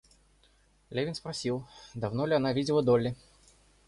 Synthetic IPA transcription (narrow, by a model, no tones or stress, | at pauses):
lʲevʲɪnspɾɐsʲilˠd̪ɐvnolʲɪɐnavʲidʲɪlˠəd̪olʲːɪ